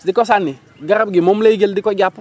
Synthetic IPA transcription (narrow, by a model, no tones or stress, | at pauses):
dɪkɔs̬anːi | ɡaɾabɡimomleiɡeldɪkɔɟap